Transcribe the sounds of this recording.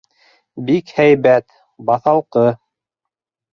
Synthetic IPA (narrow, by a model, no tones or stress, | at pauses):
bikhæjβæt̪ | bɑθɑlˠqɤ